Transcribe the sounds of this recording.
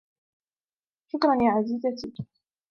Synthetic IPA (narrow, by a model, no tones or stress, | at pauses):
ʃʊkɾˤɑnjaːʕaziːzat̪ɪ